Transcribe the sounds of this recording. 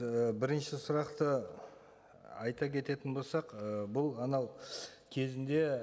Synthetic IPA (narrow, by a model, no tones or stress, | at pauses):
əbɪɾɪnʃɪsʊɾɑqt̪ə | ɑjt̪ɑkʲʰe̞t̪e̞t̪ɪnbo̞lˠsɑqəbʊlˠɑnɑwkʲʰe̞zɪnd̪e̞